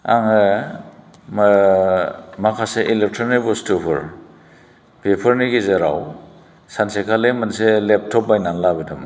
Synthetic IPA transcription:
aŋɯ | m | makʰaseʔilep̚tʰɔnibɔstupʰɯɾ | pʰepʰɐɾniɡizeɾa̰w | sansekʰalemanselep̚tʰɔp̚bajnanlabɯdamɯ

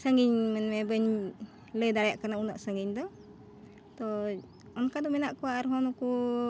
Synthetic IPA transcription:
səŋɡiɲmɛnmɛbəɲ | ləjd̪aɽjaʔkanaunaʔsəŋɡiɲd̪ɔ | t̪ɔ | ɔnkad̪ɔmɛnaʔkɔwaʔaɾɦɔnɔku

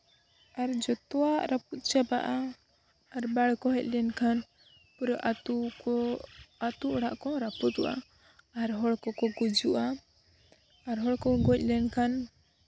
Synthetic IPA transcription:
aɾd͡ʒɔt̪ɔaʔɾaput̪̚t͡ʃapa̰ʔaː | ɾbaɽkɔɦɛc̚ˀlɛnkʰan | puɾɔʔu | at̪uɔɽaʔkɔɾaput̪uʔa̰ː | ɾɦɔɽkɔkɔɡud͡ʒuʔa | ɾɦɔɽkɔɡɔc̚ˀlɛnkʰan

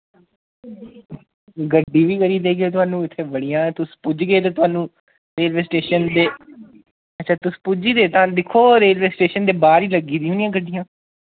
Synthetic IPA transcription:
ɡəɖːiːʋiːkəɾiːd̪eːɡeːt̪ʊaːnũːɪt̪ʰːeːbəɽɪjãːt̪ʊspʊd͡ʒɡeːt̪̬ãːt̪ʊaːnũː | ɾeːlʋeːsʈeːʃənd̪eː | ətːʃʰaːt̪ʊspʊd͡ʒiːd̪eːt̪ãːd̪ɪkʰːoːɾeːlʋeːsʈeːʃənd̪eːbaːɾiːləɡiːd̪iːɦʊnɪjãːɡəɖːijãː

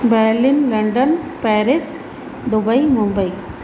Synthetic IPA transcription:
beːɾlɪnlɐɳɖɐnpeːɾɪs | d̪ʊbɐɪmʊmbɐɪ

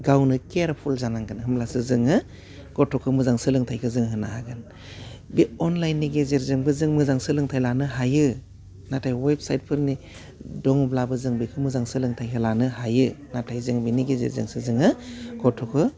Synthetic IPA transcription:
ɡawnɯkeɾpʰulzanaŋɡɯnhɯmlasɯzɯŋɯ | ɡ̥ɔtʰɔkʰɯmɯzaŋsɯlɯŋtʰajkʰɯzɯŋɦɯnaɦaɡɯn | biɔnlajnːiɡezeɾzɯŋbɯzɯŋmɯzaŋsɯlɯŋtʰajlanɯɦajɯ | natʰajwejb̚sajt̚pʰɯɾni | dɔŋublabɯzɯŋbikʰɯmɯzaŋsɯlɯŋtʰajkʰɯlanɯhajɯnatʰajzɯŋbiniɡezḛɾzɯ̰ŋsɯzɯŋɯɡ̥ɔtʰɔkʰɯ

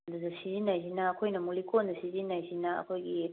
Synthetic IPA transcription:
dudɐsizinːajzinɐːkʰojnɐmulikondɐsizinːajzinɐɐ̰kʰojɡi

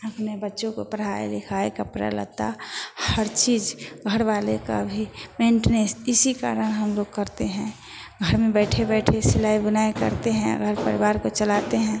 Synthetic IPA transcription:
əpnebətːʃõko̰pəɾ̤aḛlɪkʰaːekapɾa̰lə̰ɡ̚t̪a̰həɾt͡ʃiːd͡ʒɡʱəɾʋaːleka̰bʱimẽɳʈnesɪsika̰ːɾəñɦəmloɡ̚kəɾt̪eɦɛ̃ | ɡʱəɾmẽbɛɪʈʰebɛːʈʰesɪlaːibənaːekə̰ɾt̪eɦɛ̃ə̰ɡʱəɾpə̰ɾɪbaːɾkot͡ʃəlaːt̪eɦɛ̃ː

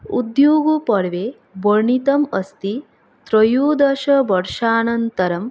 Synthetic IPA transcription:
ṵd̪juːɡupɐɽʋeː | bɐɾɳit̪ɐmɐst̪i | t̪ɾɐjuːd̪ɐʃɐbɐɽʃaːnɐnt̪ɐɾɐm

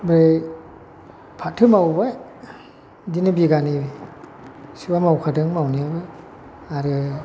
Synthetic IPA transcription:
bɾe | pʰatʰɯmawbaj | dinɯbiɡanibi | sibamawkʰadɯŋmawniabaj | aɾɯ

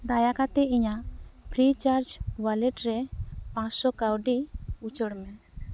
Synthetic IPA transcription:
d̪ajakat̪ɛiɲapʰɾit͡ʃaɾd͡ʒbalɛʈɾɛpãsɔkawɖiut͡ʃəɽmɛ

